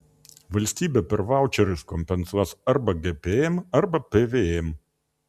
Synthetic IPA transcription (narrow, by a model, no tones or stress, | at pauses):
ʋɐlʲsʲt̪ʲiːbʲɛpʲɛɾʋɑˑʊt͡ʃʲɛɾʲʊskɔmʲpʲɛnsuɔsɐɾbɐɡʲepʲeɛmɐɾbɐpʲeʋʲeɛm